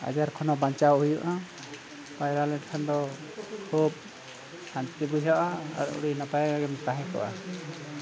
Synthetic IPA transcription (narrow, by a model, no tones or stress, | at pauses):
a̰d͡ʒaɾkʰɔnɔbaɲt͡ʃawɦujuʔa | pajɾalɛʈkʰand̪ɔ | kʰub̚ | hant̪ibujɦɔʔaa̰ɾɔ̰ṵɽinɔpajaɡaɡɛmt̪aɦɛkʰɔ̰ʔa̰